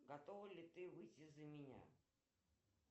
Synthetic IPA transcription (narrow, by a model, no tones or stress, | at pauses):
ɡɐt̪ovəlʲɪt̪ɨvɨjtʲɪzəmʲɪnʲa̰